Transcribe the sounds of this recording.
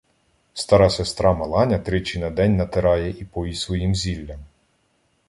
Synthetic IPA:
st̪ɑɾɑsest̪ɾɑmɐlˠɑnʲɐt̪ɾɪt͡ʃinɐd̪ɛnʲnɐt̪eɾɑjɛʔipɔjisʋɔjimzʲilʲːɐm

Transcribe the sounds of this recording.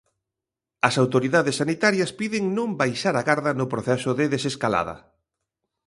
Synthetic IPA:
ɐsawt̪oɾiðaðesːanit̪aɾjɐspiðɪŋnõmbajʃaɾaɣaɾðɐnʊpɾoθɛsʊðɪðeseskala̰ðɐ̰

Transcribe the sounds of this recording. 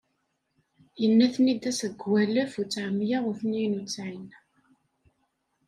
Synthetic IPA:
jənːæθnid̪æsəɡwælæfut͡sːʕmːjaʁʊθnijnut͡sːʕin

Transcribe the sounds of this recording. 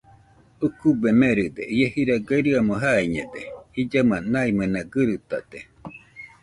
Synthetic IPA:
ukubemeɾɯd̪eiehiɾaɡaɾɯamoɦaiɲed̪eid͡ʒamanaimanaɡɨɾɯt̪ad̪e

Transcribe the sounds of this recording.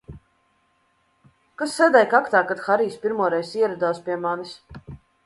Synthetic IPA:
kasːɛd̪ɛjkakt̪aːkat̪xaɾiːspʲiɾmuɔɾɛjsiɛɾad̪aːspʲiɛmanis

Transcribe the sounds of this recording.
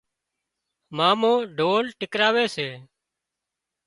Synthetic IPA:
maːmõːɖʱoːlʈɪkɾaːʋeːseː

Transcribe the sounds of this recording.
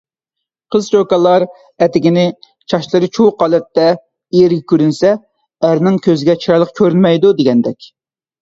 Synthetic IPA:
qʰəzt͡ʃokɑlˠɑɾ | ɛt̪ɪɡʲinɪ | t͡ʃʰɑʃlˠɨɾɨt͡ʃʰuqɑːlˠɛt̪ːɛ | iɪɾɡʲɛkʲʰyɾynsɛ | æɾnɪŋkʲʰøzɪɡʲɛt͡ʃʰiɾɑlˠəqkʲʰøɾynmɛjd̪ud̪eɡʲɛnd̪ɛkʲ

